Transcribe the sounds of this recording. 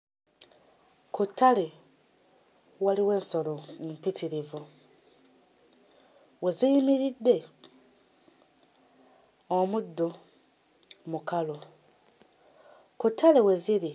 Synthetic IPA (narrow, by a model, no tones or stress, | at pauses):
kutʰːale | waliwe̞ːnso̞lomumpitiɾivu | we̞ziimiɾidːe̞ | omudːo | mukalo | kutːale̞we̞ziɾi